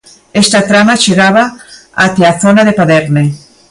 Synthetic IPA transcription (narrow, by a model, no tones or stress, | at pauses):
est̪at̪ɾamaʃeɣaβaat̪eaθonaðepaðeɾne